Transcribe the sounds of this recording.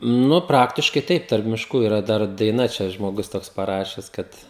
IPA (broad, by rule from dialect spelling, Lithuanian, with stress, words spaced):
ˈnʊ ˈprɑːktʲɪʃkɐɪ ˈtɐɪp tɐrp mʲɪʃˈkuː ɪˈrɐ ˈdɐr dɐɪˈnɐ ˈt͡ʃʲɛ ʒmoːˈɡʊs ˈtoːks pɐˈrɑːʃʲɛs ˈkɐt